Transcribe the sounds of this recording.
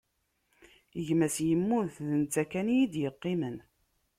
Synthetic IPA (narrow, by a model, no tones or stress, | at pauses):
əʝmæsjəmːunθðənt͡s̪ækænjid̪jəqːimən